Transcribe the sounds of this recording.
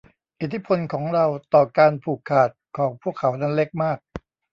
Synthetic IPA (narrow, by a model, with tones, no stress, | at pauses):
ʔi˨˩t̪ʰːi˦˥pʰo˧nkʰɔː˩˦ŋɾa˧wt̪ɔː˨˩kaː˧npʰuː˨˩kʰːaː˨˩t̪̚kʰɔː˩˦ŋpʰu˥˩əkʰːa˩˦wna˦˥nle˦˥k̚maː˥˩k̚